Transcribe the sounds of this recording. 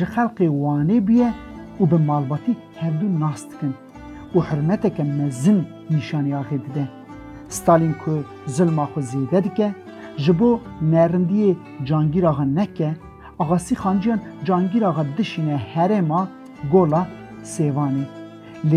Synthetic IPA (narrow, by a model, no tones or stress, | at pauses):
ʒɨxɛlqewɑːneːbujɛubɨmɑːlbɑːt̪i | hɛɾd̪unɑːsd̪ɨ̥kɨn | uħʊɾmɛt̪ɛkɛmɛzɨm | niʃɑːneɑːɣed̪ɨd̪ɛ | st̪ɑːlinkʰʊ | zɨlmɑːxʊzeːd̪ɛd̪ɨkɛ | ʒɨboː | nɛɾɨnd̪ije | d͡ʒɑːŋɡiɾɑːɣɑnɛkɛ | ɑːɣɑːsiːxɑːnd͡ʒijɑːnd͡ʒɑːŋɡiɾɑɣɑd̪ɨʃiːnɛhɛɾemɑː | ɡoːlɑː | seːvɑːne | le